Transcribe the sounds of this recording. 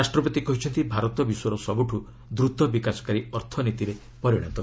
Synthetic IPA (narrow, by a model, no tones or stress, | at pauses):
ɾasʈɾɔbɔt̪ikɔɦit͡ʃʰɔnt̪ibʱaɾɔt̪ɔbisɔɾɔsɔbuʈʰu | d̪ɾut̪ɔbikasɔ̥kaɾiɔɾt̪ʰɔnit̪iɾe | pɔɾjiɽ̃a̰nt̪ɔ